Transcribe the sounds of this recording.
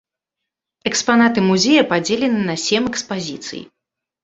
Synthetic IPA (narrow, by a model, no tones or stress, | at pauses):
ɛkspanat̪ɨmuzʲejɐpad͡zʲelʲɛnɨnɐsʲɛmɛkspazʲit̪sɨ̰jḭ